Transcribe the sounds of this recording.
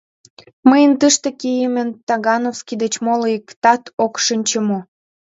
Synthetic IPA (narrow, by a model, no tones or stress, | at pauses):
məjənt̪əʃt̪ĕkijəmə̆nt̪ɑɣɑnofskid̪et͡ɕmoləikt̪ɑt̪okʃɨnʲt͡ɕəmo